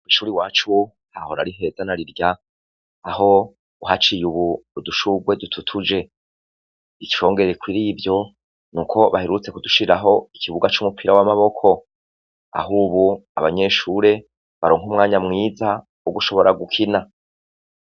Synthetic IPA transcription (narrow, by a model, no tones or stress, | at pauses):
iʃuːɾiwaːt͡ʃu | haho̞ɾa̰ɾiɦe̞zanaɾiɾɟaː | ɦo̞ | uɦat͡ʃijuβuduʃuɡwe̞dutʰutʰud͡ʒe̞ | it͡ʃi̥o̞ːŋɡe̞ɾekwiɾivjo̞ | nuːkʰo̞βaheɾut͡se̞kuduʃiɾaɦo̞ikʰiβuɡat͡ʃumupʰiɾawamaβo̞kʰo̞ | a̰ɦuːβua̰βaɲe̞ʃuːɾe̞ | βaɾoːŋɦumŋaːɲamŋiːza | uɡuʃo̞βo̞ɾaɡukʰina